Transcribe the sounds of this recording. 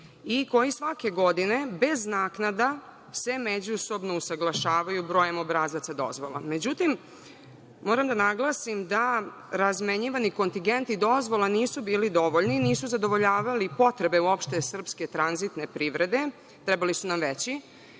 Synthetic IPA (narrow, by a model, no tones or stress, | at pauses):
iko̞jisʋake̞ɡo̞d̪ine̞be̞znaːknad̪a | se̞me̞d͡ʑuso̞bno̞usaɡlˠaʃaːʋajubɾo̞jemo̞bɾaːzat̪sad̪o̞̰zʋo̞lˠa̰me̞d͡ʑut̪im | moːɾamd̪anaɡlˠasimd̪a | ɾazmeɲiʋaniko̞nt̪iŋɡe̞nt̪id̪o̞zʋo̞lˠaniːsubiːlid̪o̞ʋoʎniniːsuzad̪o̞ʋo̞ʎaːʋalipo̞t̪ɾe̞be̞uo̞pʃt̪e̞sr̩pske̞t̪ɾanzit̪ne̞pɾiːʋɾe̞d̪e̞ | t̪ɾɛbalisunamʋet͡ɕi